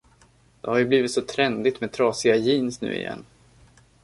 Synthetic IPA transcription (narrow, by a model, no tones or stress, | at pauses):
d̪̥ɛhaɾjɵbliːvɪt̪sɔt̪ʰɾɛnd̪ɪt̪meːd̪t̪ʰɾɑːsɪɡajiːnsnʉ̟̰ːɪ̰jɛ̰nː